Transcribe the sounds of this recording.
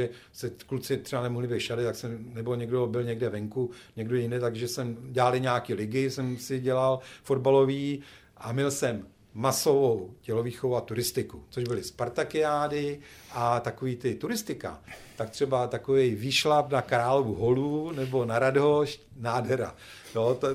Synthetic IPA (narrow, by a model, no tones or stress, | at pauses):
ɛ | sɛklut͡sɪt̪r̥ɛbanɛmulɪbɛʃadɪt̪aksɛmnɛboɲɛɡdobɪlɲɛɡdɛvɛŋkuɲɛɡdojjɪndɛt̪aɡʒɛsɛmɟɛalɪɲaːkiːlɪɡɪsɛmsɪɟɛlalfo̞dbalo̞viː | ʔamɪlsɛmː | aso̞vowcɛloviːxovowat̪uɾɪst̪ɪkut͡soʒbɪlɪspaɾt̪akɪaːdɪʔat̪akoviːt̪ɪt̪uɾɪst̪ɪka̰t̪ak̚t̪r̝̥ɛbat̪akovɛjviːʃlapnakɾaːlovuɦolunɛbo̞naɾadoʃ | naːdɦɛɾa̰ | jot̪